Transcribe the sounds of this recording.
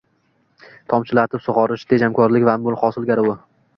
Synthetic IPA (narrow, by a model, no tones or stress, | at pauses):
t̪ʰɒmt͡ʃʰɪlat̪ʰɪpsʊʁɒɾɪʃd̪ʰed͡ʒamkʰɒɾlɪkʲvanbʊlˠχɒsɪlˠɡʲaɾɪwʊ